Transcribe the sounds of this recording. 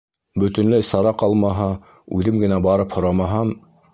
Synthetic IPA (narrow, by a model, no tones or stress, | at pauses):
bɵ̆t̪ɵ̆nlæjsɑɾɑqɑlˠmɑɦɑ | ʉðɘmɡɘ̆næbɑɾɤphŏɾɑmɑɦɑm